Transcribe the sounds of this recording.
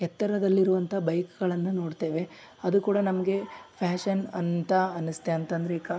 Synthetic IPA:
ɛt̪ːɐɾɐd̪ɐlːiɾuʋɐnt̪ʰɐbɐjkɡɐɭɐnːuno̞ːɽt̪e̞ːʋe̞ | ɐd̪ukuːɽɐnɐmɐɡe̞pʰaːʃɐnɐnt̪ɐɐnːist̪e̞ɐnt̪ɐnd̪ɾeiːkɐ

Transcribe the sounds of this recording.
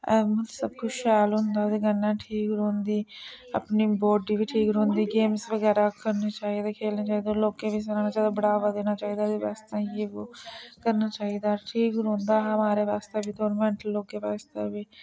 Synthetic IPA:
ɛmət̪ːsəbkʊt͡ʃʰʃɛːlɦʊnd̪aːd̪eːɡənːãːʈʰiːkɾõːnd̪iː | a̰pniːboːɖiːʋiːʈʰiːkɾõːnd̪iːɡeːmsʋəɡɛːɾaːkəɾneːt͡ʃaːiːd̪aːkʰeːlnaːt͡ʃaːiːd̪aloːkẽːʋiːs̬əɾaːnaːt͡ʃaːiːd̪aːbəɽaːʋaːd̪eːnaːt͡ʃaːiːd̪aːeʋa̰ːst̪ãːjeːoːkəɾnaːt͡ʃaːiːd̪aːʈʰiːkɾõːnd̪aːɦəmaːɾeːʋaːst̪eːbiːt̪oːɾmɛ̃ːɳʈəlːoːkeːʋaːst̪ḛːbiː

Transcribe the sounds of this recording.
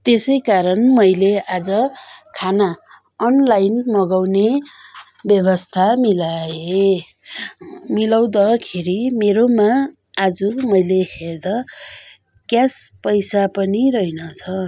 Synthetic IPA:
t̪esʌjkaɾʌnmʌjleʔad͡zʌkʰana | ʌnlajnmʌɡawne | bjʌbʌst̪ʰamilae | milaw̃d̪akʰeɾimeɾomaː | d͡zumʌjleherd̪ʌ | kjaspʌjsapʌniɾʌjnʌt͡sʰʌ

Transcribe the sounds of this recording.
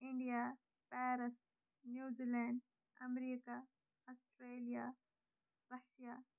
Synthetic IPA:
ɪ̃ɳɖija | pɛːɾɪs | njuːzilɛ̃ːɳɖ | ɐ̰mɾiːka | ɔsʈɾeːlija | bɐhʃijaː

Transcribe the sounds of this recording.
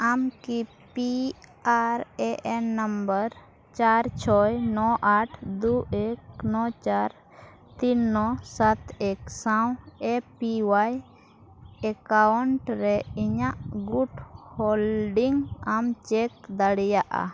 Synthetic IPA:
amki | piaɾɛʔɛnːəmbəɾ | t͡ʃaɾt͡ʃʰɔjnɔʔaʈʰd̪uɛknɔt͡ʃaɾ | t̪inːɔsat̪ɛksawɛpiwaj | ɛkawɳʈɾɛiɲaʔɡuʈhɔlɖiŋamt͡ʃɛk̚d̪aɽɛjaʔa̰

